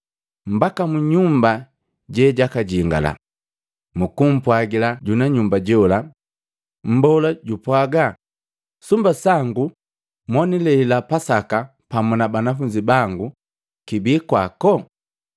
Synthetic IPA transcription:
m̩bakamuɲumba | ɟɛɟakaɟiŋɡa̰la̰ | mukum̩pwaɡilaɟunaɲumbaɟɔla | m̩bɔlaɟupwaɡa | sumbasaŋɡu | mwɔnilɛilapasaka | pamunabanafuɲd͡ʒibaŋɡu | kibiːkwakɔ

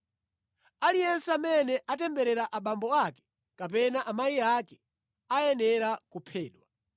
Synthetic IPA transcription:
alijɛnsɛamɛnɛʔatɛmbɛɾɛɾaʔaɓambɔakɛ̥ | kap̬ɛnaʔamajiakɛ | ajɛnɛɾakupʰɛːɗwa

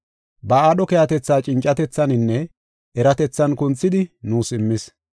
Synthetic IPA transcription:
bɐaːɗɔkɛjɐt̪ɛt͡sːaːt͡ʃʼɪnt͡ʃʼːɐt̪ɛt͡sːɐnɪnːɛ | ʔɛɾɐt̪ɛt͡sːɐnkʊnt͡sːɪd̪ɪnuːsɪmːɪs

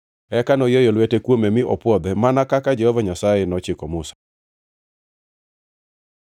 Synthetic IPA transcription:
ɛkanɔjɔjɔlwetekwomemɪʔɔpwɔd̪ɛmanakakad͡ʒɛhɔvaɲasajɛnɔt͡ʃɪkɔmʊsḁ

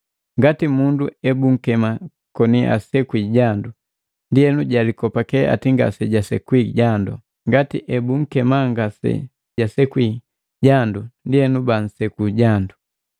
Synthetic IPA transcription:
ŋɡatimunduɛbuŋ̩kɛma | kɔniʔa̰sɛkwiɟandu | ndiɛnuɟalikɔpakɛa̰tiŋɡa̰sɛɟasɛkwiɟandɔ̰ | ŋɡatḭʔɛbuŋ̩kɛmaŋɡasɛ̰ | ɟasɛkwi | ɟandundiɛnuban̩sɛkuɟandu

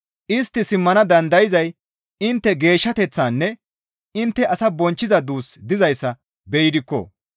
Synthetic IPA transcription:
ʔɪst̪ːɪsɪmːɐnɐd̪ɐnd̪ɐjɪzɐj | ɪnt̪ːɛɡe̞ːʃːɐt̪ɛt͡sːaːnːɛ | ɪnt̪ːɛʔɐsɐbɔnt͡ʃːɪzɐd̪uːsd̪ɪzɐjsːɐ | bɛjɪd̪ɪkːɔ̰

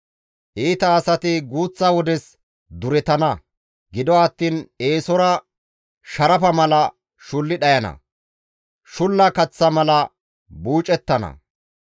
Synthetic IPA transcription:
ʔiːt̪ɐːsɐt̪ɪɡuːt͡sːɐwɔd̪ɛs | d̪ʊɾɛt̪ɐnɐ | ɡɪd̪ɔɐt̪ːiːneːsɔɾɐ | ʃɐɾɐpɐmɐlɐ | ʃʊlːɪɗɐjɐnɐ̰ | ʃʊlːɐkɐt͡sːɐmɐlɐ | buːt͡ʃʼɛt̪ːɐnɐ̰

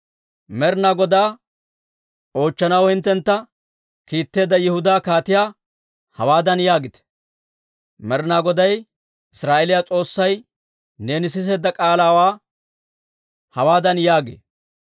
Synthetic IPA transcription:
mɛɾnaːɡɔd̪aː | o̞ːt͡ʃːɐnɐwhɪnt̪ːɛnt̪ːɐ | kiːt̪ːe̞ːd̪ːɐjɪhʊd̪aːkaːt̪ɪjaː | hɐwaːd̪ɐnjaːɡɪt̪ɛ̥ | mɛɾnaːɡɔd̪ɐj | ɪsɾaːʔɛlɪjat͡sʼo̞ːsːɐj | neːnɪs̬ɪs̬e̞ːd̪ːɐkʼaːlaːwaː | hɐwaːd̪ɐnjaːɡḛː

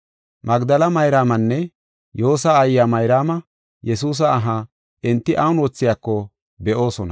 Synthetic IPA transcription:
mɐɡd̪ɐlɐmɐjɾaːmɐnːɛ | jo̞ːsaːjːaːmɐjɾaːmɐ | jɛsuːs̬ɐːɦa | ʔɪnt̪ːɪʔɐwʊnwɔt͡sːɪjaːkːɔ | bɛʔo̞ːsɔnɐ

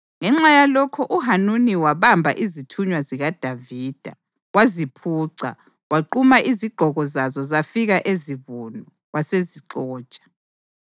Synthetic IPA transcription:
ŋɛŋ͡ǁajalɔkʰɔʔuɦanuniwaβambʱa̰ʔizitʰuɲwaziɣad̥ʱaviːd̥ʱa | wazipʰuːǀa̰ | waǃumaʔiziɡ͡ǃ̥ʱɔɣɔzazɔzafiɣaʔeziβunɔ | wʔaseziǀɔ̥ːt͡ʃʼḁ

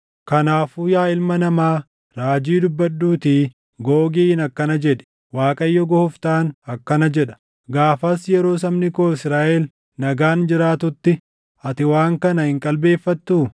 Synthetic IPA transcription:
kɐnaːfuːjaːɪlmɐnɐmaː | ɾaːd͡ʒiːd̪ʊbːɐdːuːt̪iː | ɡoːɡiːɪnɐkːɐnɐd͡ʒɛᶑɛ̥ | waːkʼɐjːɔɡɔhʊft̪aːnɐkːɐnɐd͡ʒɛᶑɐ̥ | ɡaːfɐsjɛɾo̞ːs̬ɐmnɪkoːɪsɾaːʔɛl | nɐɡaːnd͡ʒɪɾaːt̪ʊt̪ːɪ | ɐt̪ɪwaːŋkɐnɐhɪŋkʼɐlbe̞ːfːɐt̪ːuː

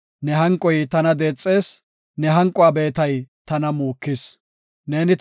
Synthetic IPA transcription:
nɛɦɐŋkʼːɔjt̪ɐnɐd̪e̞ːt͡sʼːe̞ːs | nɛɦɐŋkʼːʊaːbe̞ːt̪ɐjt̪ɐnɐmuːkːɪs | ne̞ːnɪ

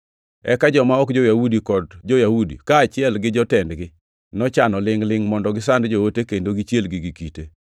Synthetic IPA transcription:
ɛkad͡ʒɔmaɔkd͡ʒojawudikɔdd͡ʒojawudḭkaːt͡ʃɪɛlɡɪd͡ʒɔtɛndɡɪ | nɔt͡ʃanɔlɪŋlɪŋmɔndɔɡɪsandd͡ʒowotekendoɡit͡ʃjelɡiɡikite

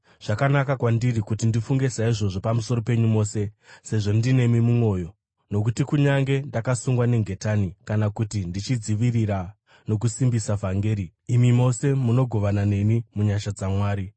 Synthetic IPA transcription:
ʐ̥akanakakwandirikutindifuŋɡe̞saiʐo̞ʐo̞pamuso̞ro̞pe̞ɲumo̞ːse̞se̞ʐo̞ndine̞mimumwo̞jo̞ | no̞k̬utikuɲaŋɡe̞ndakasuŋɡwane̞ŋɡʱe̞tanikanakutindit͡ʃid͡ziʋiriɾa | no̞k̬usimbisavʱaŋɡe̞ːɾiːmimo̞se̞muno̞ɡʱo̞ʋanane̞nimuɲaʃad͡zamwaːɾi

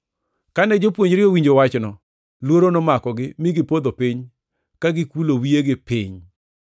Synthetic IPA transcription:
kanɛd͡ʒopwoɲɾɪowiɲd͡ʒowat͡ʃnɔ | lwoɾonɔmakɔɡɪmɪɡɪpod̪opiɲ | kaɡɪkulowieɡɪpiɲ

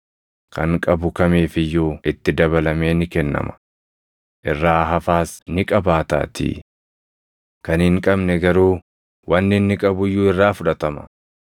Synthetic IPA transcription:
kɐŋkʼɐbʊkɐmeːfɪjːuːɪt̪ːɪd̪ɐbɐlɐmeːnɪkɛnːɐ̰mɐ̥ | ʔɪrːaːɦɐfaːsnɪkʼɐbaːt̪a̰ːt̪ɪ̰ | kɐnhɪŋkʼɐbnɛɡɐɾuː | wɐnːɪnːɪkʼɐbʊjːuːɪrːaːfʊᶑɐt̪ɐmɐ̥̰

